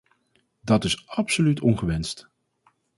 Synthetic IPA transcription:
dɑtɪsɑpsolytɔnχəʋɛnst

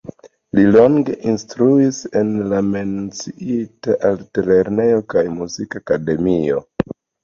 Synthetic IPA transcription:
lilo̞ŋɡe̞ʔinstɾuise̞nlame̞nt͡siitaʔalte̞le̞ɾne̞jo̞kajmuzikakade̞mio̞̰

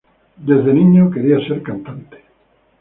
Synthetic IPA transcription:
d̪ezðenĩɲokeɾiaseɾkant̪ant̪e̥

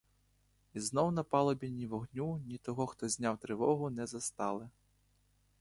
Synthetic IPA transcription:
iznɔwnɐpalˠɔbʲinʲiwɔɣnʲunʲit̪ɔɣɔxt̪ɔzʲnʲawt̪ɾɪvɔɣunɛzɐst̪alˠɨ

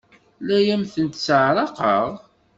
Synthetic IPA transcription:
læjæmθənt̪səʕɾˤɑqəʁ

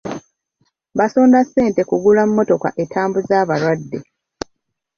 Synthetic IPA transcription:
basoːndasːe̞ːnte̞kuɡulamumːo̞to̞ka̰ʔe̞tʰaːmbuzaːβaɾwadːe̞

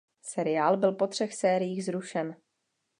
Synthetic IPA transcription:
sɛɾɪaːlbɪlpo̞t̪r̝̥ɛxsɛːɾɪjiːɣzɾuʃɛn

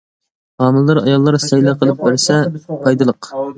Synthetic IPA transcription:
hɑːmɨlˠlɨɾɑ̰jɑlˠːɑɾsɛjlˠɛqʰəlˠɨp̚bɪɾsɛpʰɑjd̪ɨlˠəq

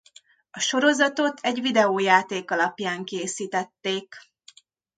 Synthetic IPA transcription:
ɒʃo̞ɾo̞zɒt̪o̞t̪ʰɛɟʋid̪ɛoːjaːt̪eːkɒlɒpjaːŋkeːsiːt̪ɛt̪ːeːk

